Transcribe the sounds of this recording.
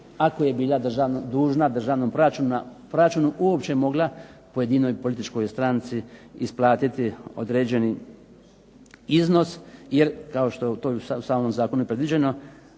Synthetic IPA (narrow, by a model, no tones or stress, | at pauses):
akoje̞biːlˠad̪r̩ʒaʋnod̪uːʒnad̪r̩ʒaːʋnompɾoɾat͡ʃunapɾoat͡ʃunuʔuopt͡ʃe̞mo̞ɡlˠapojed̪ino̞jpo̞lit̪it͡ʃko̞jst̪ɾant̪siisplˠaːt̪it̪io̞̰d̪ɾeːd͡ʑe̞ni | izno̞sjeɾkao̞ʃt̪o̞t̪ojesausaːmo̞mzaːko̞nuepɾed̪ʋid͡ʑe̞no̞